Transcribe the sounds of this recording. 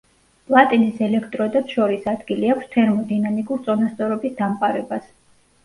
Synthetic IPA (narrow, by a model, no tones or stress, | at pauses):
pʼlˠat̪ʼinisɛlɛkʰt̪ʼɾɔd̪at̪ʃɔɾisad̪ɡiliakʰʷst̪ʰɛɾmɔd̪inamikʼuɾt̪sʼɔnast̪sʼɔɾɔbisd̪amqʼaɾɛbas